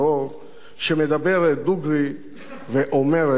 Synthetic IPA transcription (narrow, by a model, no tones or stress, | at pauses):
o | ʃemed̪abeɾed̪uɡɾi | veʔomeɾe